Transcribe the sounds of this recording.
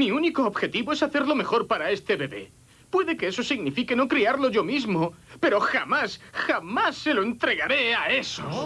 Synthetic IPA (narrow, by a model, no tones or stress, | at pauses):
miuniko̞ːbxe̞t̪iβo̞e̞saθe̞ɾlo̞me̞xo̞ɾpaɾae̞st̪e̞βe̞βe̞̰ | pwe̞ðe̞ke̞eso̞siɣnifike̞no̞kɾiaɾlo̞ʝo̞mizmope̞ɾo̞xamasxamasːe̞lo̞e̞nt̪ɾe̞ɣaɾe̞ae̞so